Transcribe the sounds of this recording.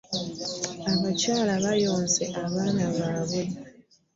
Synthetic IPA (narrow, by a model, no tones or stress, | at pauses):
aβacaːlaβajoːnze̞ʔaβaːnaβaːβe